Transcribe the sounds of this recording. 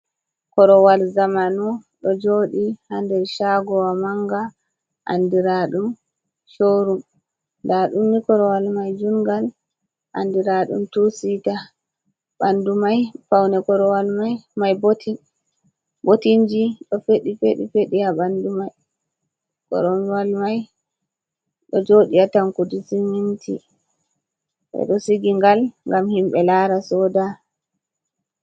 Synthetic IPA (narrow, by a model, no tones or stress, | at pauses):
kɔɾɔwalzamanɔɗɔd͡ʒoːɗihandɛɾʃaɡɔwamaŋɡa | ʔa̰ndiɾaɗum | ʃoːɾum | ndaɗumnikɔɾɔwalmajd͡ʒuŋɡal | ʔa̰ndiɾaɗṵmtusita | ɓandumajfawnɛkɔɾɔwalmajmajbt | botind͡ʒiɗɔfeɗifeɗifeɗijaɓandumaj | kɔ̰ɾɔwalmaj | ɗɔd͡ʒoɗiataŋkudisimintʰḭ | ɓɛ̰ɗɔsiɡiŋɡalŋɡamhimɓɛlaɾasɔːda